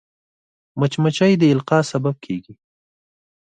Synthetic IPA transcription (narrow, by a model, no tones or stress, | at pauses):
mat͡ʃmat͡ʃajd̪əɪlqɑsabab̚kʰeɡi